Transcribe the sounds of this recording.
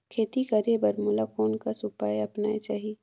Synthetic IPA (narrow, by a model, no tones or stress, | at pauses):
kʰeːt̪ikɐɾebɐɾmʊlakoːnkasʊpaːjɐpnaːet͡ʃaːɦiː